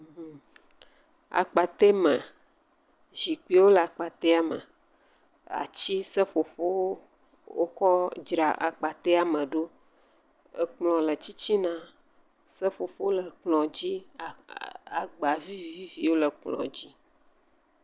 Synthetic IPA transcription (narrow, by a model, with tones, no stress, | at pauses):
a̰˨k͡pa˨t̪e˦mə̃˨ | zi˨k͡pi˦wo˦lə˨a˨k͡pa˨t̪e˦a˨mə̰˨ | a̰˨t͡ɕi˦sə˦fo˨fo˦w | wo˦kɔ˦d͡ʒɾa˨ʔa̰˨k͡pa˨t̪e˦a˨mə̃˨ɖo˦ | ə˨k͡plɔ̃˨lə˨t͡ɕi˦t͡ɕi˦nã˦ | sə˦fo˨fo˦lə˨k͡plɔ̃˨d͡ʑi˦˨ | a˨ɡ͡ba˨vi˦vi˨vi˦vi˨wo˦lə˨k͡plɔ̰̃˨d͡ʑi˦